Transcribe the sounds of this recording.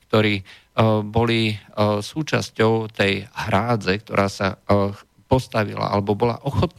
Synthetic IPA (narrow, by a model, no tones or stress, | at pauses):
k̚t̪ɔɾiː | bɔlisuːt͡ʃa̰scɔʊt̪ɛjhɾaːd͡zɛk̚t̪ɔ̰ɾʔaːsa̰ | pɔst̪aʋḭla̰ʔa̰lɛbɔbɔla̰ʔɔxɔt̪̚n